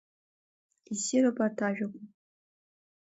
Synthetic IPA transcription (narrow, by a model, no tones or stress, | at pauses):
isiɾapʼatʰaʒᶣakʷʰu